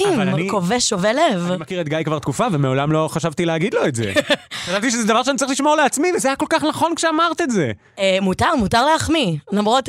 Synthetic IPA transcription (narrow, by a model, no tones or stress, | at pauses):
imaniko̞veʃovelevimakiʁet̪̚ɡajkvaʁt̪kufavemeo̞lamlo̞χaʃavt̪ileaɡid̪lo̞etzḛʃadalt̪iʃ̬ezɛd̪avaʁʃeanitt͡saʁiχliʃmoʁleat͡smivezajakolkaχnaχo̞nkʃeamaʁt̪etze | emutaʁmutaʁleaχmilamʁot̪